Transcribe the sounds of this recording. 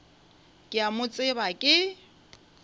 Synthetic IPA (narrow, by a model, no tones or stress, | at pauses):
kʼɪamʊt͡sʼɪbakʼɪ